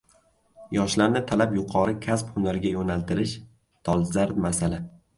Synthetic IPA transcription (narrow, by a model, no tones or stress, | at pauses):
jɒʃlaɾnɪt̪ʰalapjʊqʰɒɾɪkʲʰasphʊmlaɾɡʲajonalt̪ʰɪɾɪʃ | t̪ʰɒlˠzaɾd̪masalɪ